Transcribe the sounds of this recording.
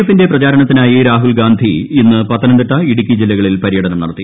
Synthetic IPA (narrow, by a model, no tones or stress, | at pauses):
efːinde̞prɐt͡ɕaːɾɐɳɐt̪ːinaːjiɾaːɦulɡaːnd̪ʱiːnːɨpɐt̪ːɐnɐɳɖ̪ɨʈːɐiɽikʲːid͡ʑilːɐɣɐɭilpɐɾijɐɽɐnɐmnɐɽɐt̪ːi